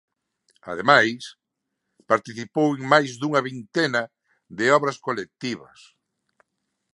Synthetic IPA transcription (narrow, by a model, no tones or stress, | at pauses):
a̰ðemajs | paɾt̪iθipoweŋmajzðuŋɐβint̪enɐ | ðɪɔβɾɐskolek̚t̪iβɐ̰s